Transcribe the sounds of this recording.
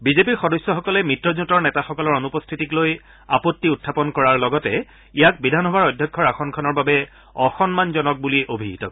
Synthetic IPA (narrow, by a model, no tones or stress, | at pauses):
bizepiɹxɔdɔjsːɔxɔkɔlɛmitɹɔzutɔɹnɛtaxɔkɔlɔɹonupɔstʰitikloj | apɔtːiutʰːapɔnkɔɹaɹlɔɡɔtɛ | ijak̚bidʱanɦɔbaɹɔjdʱjɔkʰːɔɹaxɔnkʰɔnɔɹbabɛ | ɔxɔnmanzɔnɔk̚buliʔobʱiɦitɔ̰k